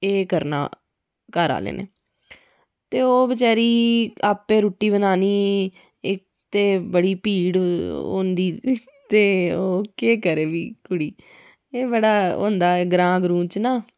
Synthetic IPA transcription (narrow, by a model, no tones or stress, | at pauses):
eːkəɾna̰ː | kaɾa̰ːlḛːnḛː | t̪eːoːbət͡ʃɛːɾiːaːpːeːɾuːʈːiːbənaːniː | ɪk̚ | t̪eːbəɽiːpiːɽo̰ːnd̪iː | t̪eːoːkeːkəɾeːʋiːkʊɽiː | eːbəɽaːõ̰ːnd̪aːɡɾãːɡɾũːt͡ʃnaː